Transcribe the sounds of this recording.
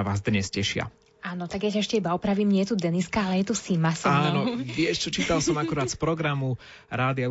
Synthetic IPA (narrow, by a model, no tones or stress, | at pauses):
aʋaːzd̪ɲɛscɛʃɪa̰ | aːnɔt̪aɡjacaɛʃcɛibaɔpɾaʋimɲɪɛt̪ud̪ɛniskaalɛjɛt̪usimasiaːnɔʋɪɛʃt͡ʃɔt͡ʃiːt̪alsɔmakuɾaːt̪spɾɔɡɾamu | ɾaːd̪ɪa